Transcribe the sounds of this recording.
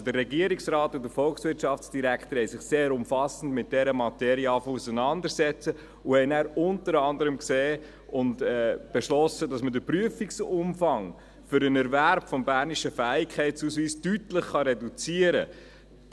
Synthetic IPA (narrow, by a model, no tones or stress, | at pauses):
dərːɛɡiəɾiksɾɑːtʊdəfɔlksʋɪɾtʃɑftsd̥iɾæktəhɛɪsɪχseːɾʊmfɑsən̩dmɪt̚d̥ɛɾəmɑtɛɾiɑːfusənɑndəɾsɛt͡sə | ʊhɛɪnæːɾʊntəɾɑndəɾəmkseː | ʊntɛb̥eʃlɔsədɑsmədəpɾyəfiksʊmfɑŋ | fʏɾənɛɾvæɾbfɔmbæːɾniʃəfæːɪkχɛɪtt͡suːsʋiːstytləχχɑɾɛdut͡siəɾə